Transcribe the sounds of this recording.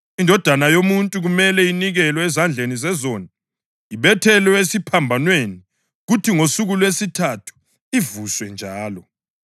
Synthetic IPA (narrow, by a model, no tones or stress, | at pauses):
indʱɔd̥ʱanajomuntʼuɣumɛlɛiniɣɛlwɛɛzand͡ɮʱenizɛzoni | iβɛtʰɛlwɛesipʰambʱanweni | ɣutʰiŋosuɣulwesitʰatʰu̥ | ivuswɛnd͡ʒʱaːlɔ